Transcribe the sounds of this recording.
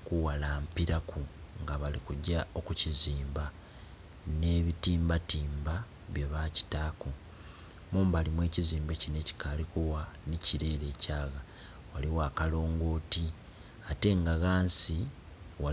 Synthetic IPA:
kuwalaːmpiɾakʰuŋɡaβalikuɟːao̞kuciziːmba | ne̞βitiːmbatiːmba | βjeβaci̥taku | muːmbalimwe̞ːciziːmbe̞cine̞ci̥kalikuwaniciɾe̞ːɾe̞ːcaːɣa | waliwaːkalo̞ːŋɡo̞ːti | ate̞ŋɡaɣaːnsiwa

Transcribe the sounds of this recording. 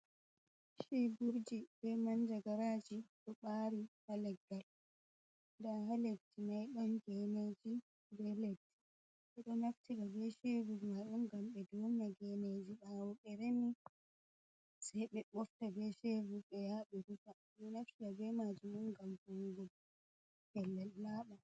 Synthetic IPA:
ʃibuɾd͡ʒibɛmand͡ʒaɡaɾad͡ʒiɗɔɓaːɾihalɛɡːal | daɦaledːinajɗɔnɡɛned͡ʒi | bɛledːi | ɓɛɗɔnaftiɗabɛʃevumaɗunɡamɓɛduːnijaɡɛned͡ʒiɓawuɓɛɾeni | sajɓɛɓɔftabɛʃevuɓɛjaɓɛɾuta | ɗɔnaftiɗabɛmad͡ʒumɗunɡamhuŋɡɔl | hɛlːɛlːaːɓa

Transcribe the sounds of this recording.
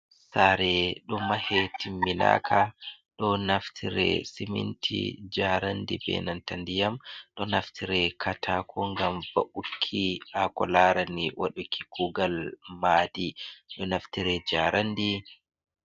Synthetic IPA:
saɾɛɗɔmahɛtimːina̰kʰaɗɔnaftʰiɾɛ̰simḭntʰḭd͡ʒaɾandḭbɛ̰nantandijamɗɔnaftʰiɾɛkʰatʰakʰɔŋɡamvaʔukʰːiakɔlaɾaniwʔa̰ɗukʰi̥kuɡalmaːdiɗɔnaftiɾɛd͡ʒaɾandi

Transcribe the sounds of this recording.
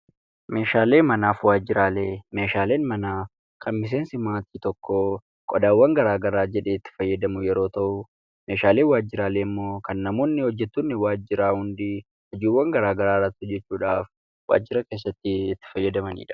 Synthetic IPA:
me̞ːʃaːle̞ːmɐnaːfwaːd͡ʒːɪɾaːleːme̞ːʃaːle̞ːnmɐnaː | kʰɐnmɪs̬e̞ːnsɪmaːt̪iːt̪ɔkːoː | kʼɔd̪aːwːɐŋɡɐɾaːɡɐɾaːd͡ʒɛᶑe̞ːɪt̪ːɪ̥fɐjːɐd̪ɐmʊjɛɾo̞ːt̪ɐʔʊ | me̞ːʃaːle̞ːwaːd͡ʒːɪɾaːle̞ːmːo̞ːkɐnːɐmuːnːɪhɔd͡ʒːɛt̪ːʊnːɪwaːd͡ʒɪɾaːhʊnd̪iː | hɐd͡ʒiːwːɐŋɡɐɾaːɡɐɾaːrːɐt̪ːɪhɔd͡ʒːɛt͡ʃːuːᶑaːf | wa̰ːd͡ʒːɪɾɐke̞ːsːɐt̪ːɪɪt̪ːɪ̥fɐjːɐd̪ɐmɐnḭːᶑɐ̥

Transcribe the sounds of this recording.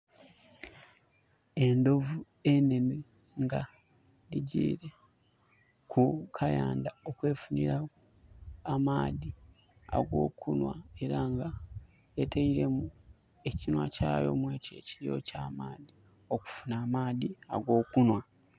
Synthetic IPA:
e̞ndo̞vu | e̞ne̞mi | ŋɡa | ɾiɟḭːɾe̞ | kʰukʰajaːndaokwe̞ːfuniɾaː | maːði | a̰ɡo̞̰ːkunwa̰e̞ɾaŋɡa | etʰeiɾe̞mu | e̞cinwa̰caːjo̞̰mwe̞ːcḛːciɾio̞̰caːmaːði | o̞ku̥funaːmaːðia̰ɡo̞ːkunwa

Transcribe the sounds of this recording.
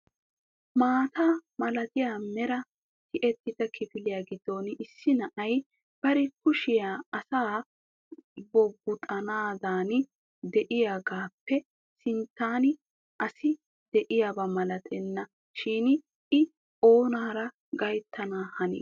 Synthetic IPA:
maːt̪aːmɐlɐt̪ɪjaːmɛɾɐ | t̪ʰɪʔɛt̪ːɪt̪ɐkʰɪfɪlɪjaːɡɪd̪ːo̞ːnɪsːɪnɐʔɐj | b̥ɐɾɛkʊʃɪjaːɐsaː | bɔbʊt̪ʼɐnaːd̪aːnɪ | d̪ɛʔɪjaːɡaːpːɛ | sɪnt̪ːaːnɪ | ʔɐsɪ | d̪̥ɛʔɪjaːbɐmɐlɐt̪ʰʼɛnːɐ | ʃiːn | ɪ | o̞ːnaːɾɐ | ɡɐjt̪ʰːɐnaːhɐnḭː

